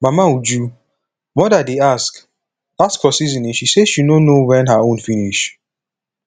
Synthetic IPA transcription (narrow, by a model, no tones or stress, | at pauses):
mamaud͡ʒu | mɔdadeask | askhɔsizĩnĩnʃiseʃinonowɛ̃nɦaõnfiniʃ